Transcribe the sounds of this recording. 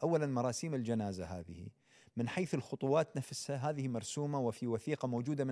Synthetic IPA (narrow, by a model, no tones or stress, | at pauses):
ʔawːalanmɑɾˤɑːsiːmɪld͡ʒanaːzaɦa̰ːðɪhḭ | mɪnħajθɪlxʊt̪ˤuwɑːt̪nafshaɦaːðɪhimɑɾˤsuːmawɪfiwaθiːqamoːd͡ʒuːd̪amɪ